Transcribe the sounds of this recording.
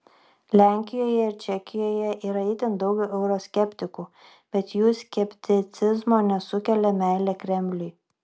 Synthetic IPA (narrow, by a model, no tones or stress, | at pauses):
lʲæˑŋʲkʲɪjoːjɛɪɾt͡ʃʲɛkʲɪjoːjɛʔiːɾɐɪt̪ʲɪnd̪ɒʊɡʲɛʊʔɛʊɾosʲkʲɛpʲt̪ʲɪkuː | b̥ʲɛt̪juːsʲkʲɛpʲt̪ʲɪt̪sʲɪzmoːnʲɛsʊkʲɛlʲɛmʲæɪlʲɛkɾʲɛmʲlʲʊj